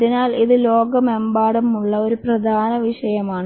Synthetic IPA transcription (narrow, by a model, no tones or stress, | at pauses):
ðinaːliðɨlo̞ːɡɐmembaːɽɐmuɭːɐo̞ɾuprɐd̪ʱaːnɐʋiʂɐjɐmaːɳ